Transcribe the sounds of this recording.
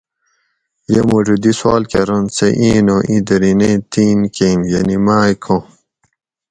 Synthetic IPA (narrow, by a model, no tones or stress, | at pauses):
jemoʐud̪iswaːlkɐɾonseʔiːnoʔĩd̪ɐɾinet̪iːnkeːmjɐnimaːikʰõ